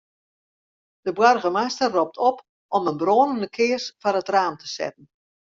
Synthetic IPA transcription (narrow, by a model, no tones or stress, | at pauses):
d̥əbwɔrɣəmastərːop̚tʰɔp | ʔɔmənbroːnəndəkʰɪərsfɔrətraːmtʰə̥sɛ̰tən̩